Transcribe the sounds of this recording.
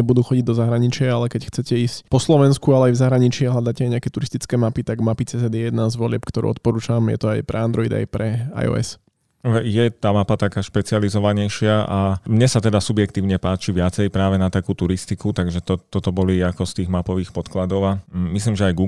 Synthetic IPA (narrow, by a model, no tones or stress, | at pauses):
bud̪uːxɔɟiɟd̪ɔzaɦɾaɲit͡ʃɪaalɛkɛcxt͡sɛcɛiːscpɔslɔʋɛnskualɛajvzaɦɾaɲit͡ʃɪɛɦlad̪acɛajɲɛakɛt̪uɾist̪it͡skɛːmapit̪aɡmapit͡sɛːsɛd̪jɛjɛd̪nazʋɔlɪɛ̰pkt̪ɔɾṵɔ̰t̪̚pɔɾuːt͡ʃamjɛ̰t̪ɔajpɾɛ̰and̪ɾɔid̪a̰jpɾɛa̰jɔ̰ːɛ̰s | jɛt̪aːmapat̪akaːʃpɛt͡sializɔʋaɲɛjʃɪaʔamɲɛsat̪ɛd̪asubjɛk̚t̪iːʊɲɛpaːt͡ʃiʋɪat͡sɛjpɾaːʋɛnat̪akuːt̪uɾist̪ikut̪aɡʒɛt̪ɔt̪ɔt̪ɔbɔliakɔst̪iːɣmapɔʋiːxpɔt̪klad̪ɔʊamisliːmʒɛajɡu